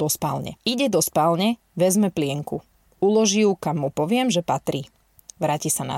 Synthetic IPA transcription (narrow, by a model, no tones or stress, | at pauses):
ɔspalɲɛ̰iɟɛd̪ɔspalɲɛ | ʋɛzmɛplɪɛŋku | ulɔʒiukamːupɔʋɪɛmʒɛpat̪ɾiː | ʋɾaːcisana̰